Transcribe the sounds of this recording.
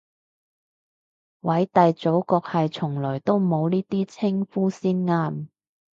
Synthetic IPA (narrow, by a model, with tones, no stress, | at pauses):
wɐ˨˥jt̪ɐ˨jt͡so˨˥wkɔː˧k̚hɐ˨jt͡sʰʊ˨˩ŋlɔː˨˩jt̪o˥wmo˨˧wniː˥t̪iː˥t͡sʰɪ˥ŋfuː˥siː˥nŋaː˥m